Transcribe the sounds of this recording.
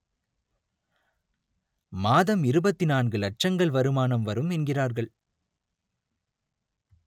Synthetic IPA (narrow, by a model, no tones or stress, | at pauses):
maːðɐmɪɾɯbɐt̪ːɪnaːnɡɯlɐʈ̚t͡ʃɐŋɡɐɭʋɐɾɯmaːnɐmʋɐɾɯmɛnɡɪraːɾɣɐɭ